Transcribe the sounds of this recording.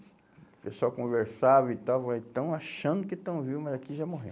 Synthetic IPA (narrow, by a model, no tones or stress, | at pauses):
pesuawkõveɾsavit̪awvaẽt̪ɐ̃w̃aʃɐ̃nd̪ʊkɪt̪ɐ̃w̃vivʊmɐzakiʒamoɦẽ